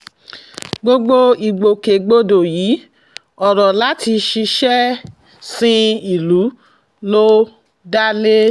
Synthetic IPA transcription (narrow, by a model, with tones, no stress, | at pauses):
ɡ͡bo˧ɡ͡bo˦i˨ɡ͡bo˨ke˨ɡ͡bo˧do˨jiː˨˦ | ɔ˨ɾɔ˨la˦ti˧ʃi˧ʃɛ˦ | sĩ˧i˨lu˨˦ | lo˦ | da˦le˦